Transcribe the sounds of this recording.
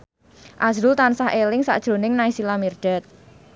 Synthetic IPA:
ʔasɾʊlt̪ansahʔelɪŋsa̰ʔd̥ʒ̥ɾo̤nɪŋnaisilamird̥ɛ̤t̪̚

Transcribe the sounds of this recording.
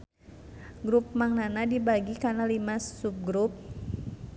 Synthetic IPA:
ɡɾup̚maŋnanadibaɡikanalimasup̚ɡɾup̚

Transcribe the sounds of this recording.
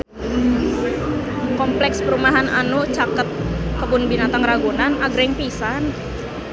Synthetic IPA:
kɔmplɛkspəɾumaɦananuʔt͡ʃakət̪̚kəbʊnbinat̪aŋraɡunanaɡɾɪŋpisan

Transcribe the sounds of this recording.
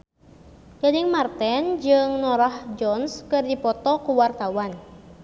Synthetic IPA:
jadiŋmart̪ɛnd͡ʒɨŋnɔɾahd͡ʒɔnskɨrdipɔt̪ɔkuwart̪awan

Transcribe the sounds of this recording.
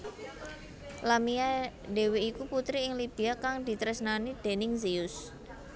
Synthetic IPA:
lamiade̤weːkuput̪ɾiɪŋlib̥i̤akaŋd̪̥i̤t̪ɾɛsnanid̪̥e̤nɪŋziʊs

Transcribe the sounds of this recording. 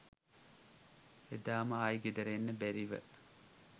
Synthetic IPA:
ed̪aːməajɡed̪əɾenːəbæɾiʋə̰

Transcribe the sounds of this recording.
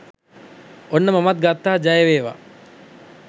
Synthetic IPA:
onːɐmɐmɐt̪̚ɡɐt̪ːaːd͡ʒɐjɐʋeːʋa̰

